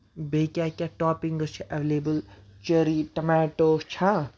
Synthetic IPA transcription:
beːkʲakʲaʈɔːpiŋɡət͡ʃʰiʔɐʋeleːbəlt͡ʃəɾiʈɐmaːʈoːt͡ʃʰa

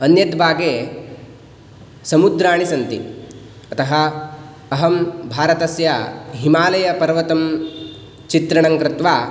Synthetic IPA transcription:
ɐnjɐd̪bʱaːɡeː | sɐmud̪ɾaːɳisɐnt̪ḭ | ɐt̪ɐɦɐː | ɦɐmbʱaːɾɐt̪ɐsjɐɦimaːlɐjɐpɐɾʋɐt̪ɐm | t͡ʃit̪ɾɐɳɐŋkɾɪt̪ʋaː

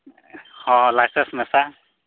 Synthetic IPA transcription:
hɔ̃lajsɛnsmɛsa

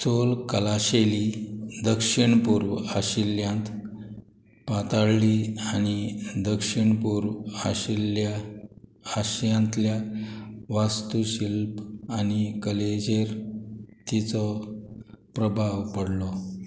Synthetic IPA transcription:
solkəlaɕelid̪əkʂiɳpuːɾʋaɕiljãnt̪ | pat̪aɽliaɽ̃id̪əkʂiɳpuɾʋaɕilja | aɕjãnt̪lja | ʋast̪uɕilpañikəled͡ʑeɾt̪it͡sɔ | pɾəbʱaʋpəɽlɔ

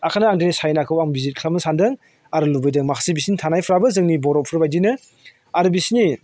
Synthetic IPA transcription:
akʰanɯaŋdɯnisajnakʰɯwaŋbizit̚kʰlamɯsandɯŋ | aɾɯlubɯjdɯŋmakʰḁsibisintʰanajpʰɾabɯzɯŋnibɔɾɔpʰɯɾbajdinɯ | aɾɯbisini

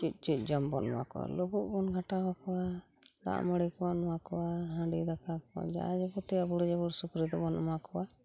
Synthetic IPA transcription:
t͡ʃic̪̚ˀt͡ʃit̪̚ˀd͡ʒɔmbɔn̰ma̰kɔwa̰lɔbuʔbɔnɡʱaʈabakɔwa | d̪a̰ʔməɽikɔwanmakɔwaɦãɖid̪akakɔa̰d͡ʒa̰ad͡ʒabɔt̪iabuɽd͡ʒabɔɽsukɾid̪ɔbɔnmakɔwa

